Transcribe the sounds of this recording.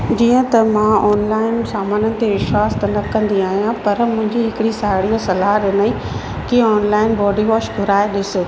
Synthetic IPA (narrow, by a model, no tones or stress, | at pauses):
d͡ʑiːə̃t̪ɐmãɔːnlaːɪnsaːmaːnənɪ̆t̪eʋɪʃwaːst̪ɐnɐkɐ̃nd̪iaːɦijãpɐɾmʊ̃ɦɪ̃ɲd͡ʑiɦɪkɪɽisaːɪɽijosɐlaːɦɾɪnaĩ | kiɔːnlaːɪnbɔːɖiʋɔːʃɡʱʊɾaːeɗɪsɪ